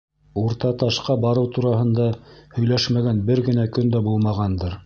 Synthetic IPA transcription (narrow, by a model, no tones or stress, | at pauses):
uɾt̪ɑt̪ɑʃqɑbɑɾɤwt̪uɾɑhɤ̆nd̪ɑhɵ̆jlæʃmæɡænbɘɾɡɘ̆nækɵnd̪æbulˠmɑʁɑnd̪ɤɾ